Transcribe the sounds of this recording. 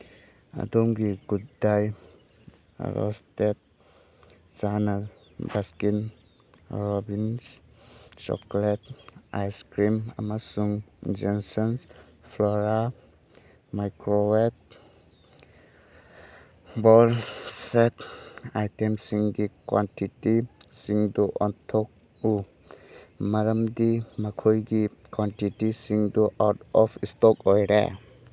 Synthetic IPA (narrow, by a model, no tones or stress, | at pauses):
a̰d̪oŋɡiɡuddaj | ɾɔ̰stet̚ | zana | baskin | ɾɔbins | t͡ʃɔ̰kleta̰jskɾima̰masuŋd͡ʒɔnsɔns | flɔɾa | majkɾowet̚ | bɔlsetajtemsiŋɡikwantitisiŋduʔɔntʰɔk̚ | u | maɾamdimakʰɔjɡikwantitisiŋduʔawtɔpʰistɔkɔjɾḛ